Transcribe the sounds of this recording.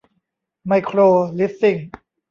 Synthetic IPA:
ma˧jkʰɾoː˧li˦˥fi˧˩ŋ

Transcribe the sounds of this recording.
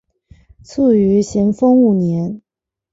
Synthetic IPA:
t͡sʰu˥˩y˧˥ɕjɛ˧˥nfɤ˥ŋu˥˩njɛ˧˥n

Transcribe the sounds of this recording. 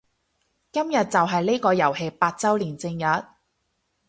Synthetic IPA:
kɐ˥mjɐ˨t̚t͡sɐ˨wɦɐ˨jle˥kɔː˧jɐ˨˩whe˧jpaː˧t̚t͡sɐ˥wliː˨˩nt͡sɪ˧ŋjɐ˨t̚

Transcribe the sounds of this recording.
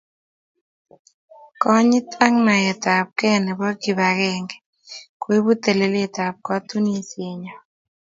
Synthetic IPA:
kɔ˦ɲɪ˦ta˦ŋna˨jɛ˨t̪a˨p̚kɛ˦nɛ˨bɔ˦ki˨βa˨ɣɛ˦ŋɡɛ˨ | kwe˦βu˦t̪e˨le˦le˦t̪a˨p̚kɔ˦t̪u˦nie˨sje˨ɲɔ˨

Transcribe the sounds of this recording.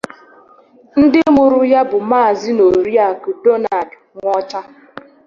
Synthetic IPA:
n̩˦dɪ˦mʊ˨ɾʊ˦ja˦bʊ˨maː˦˨zɪ˦no˨ɾi˦a˨ku˨do˦na˨dŋʷɔ˦t͡ʃa˦

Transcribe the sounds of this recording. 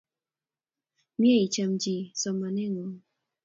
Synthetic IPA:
mje˦i˨t͡ʃa˨md͡ʒi˨sɔ˨ma˨nɛ˦ŋɔ˨

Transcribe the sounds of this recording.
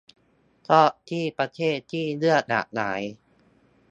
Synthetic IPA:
t̪ʰɔ˥˩t̪ʰiː˥˩pɾa˧t̪ʰeː˥˩t̪ʰːiː˥˩lɯ˥˩ət̪̚na̰˨˩ʔ̚naː˩˦j

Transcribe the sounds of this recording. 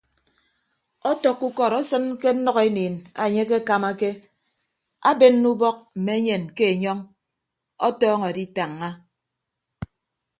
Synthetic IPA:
ɔ˦tɔ˨kːu˦kɔ˨ɾɔ˦sɨ˦nke˦n̩˦nɔ˦ɣe˦niː˨na˨ɲe˦ke˦ka˨ma˦ke˦ | a˦be˦nː˦u˦bɔ˦k̚m̩˨me˨˦ɲe˨nke˦e˨ɲɔ˦ŋ | ɔ˦tɔː˦ŋɔ˨a˨di˦ta˨ŋːa˦

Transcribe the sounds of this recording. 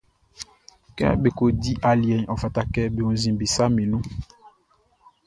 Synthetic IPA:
kɛ̰˦be˨ko˨di˦ʔa˨li˨ɛ˨ɲɔ˨fa˨ta˦kɛ˦be˨o˨n˦zĩ˨mbe˨sa˦me˨nũ˦

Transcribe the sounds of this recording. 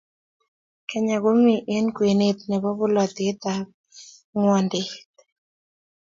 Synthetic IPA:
kɛ˦ɲa˨ɡo˦ŋwi˨ʔe˦nkwe˨ne˦t̪nɛ˨bɔ˦βʊ˦lɔ˨t̪e˦t̪a | ŋwɔ˨ndɪt̪

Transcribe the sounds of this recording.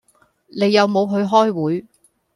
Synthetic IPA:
ne˨˧jːɐ˨˧wmo˨˧wɦɵ˨˧ɥɦɔː˥jwuː˨˥j

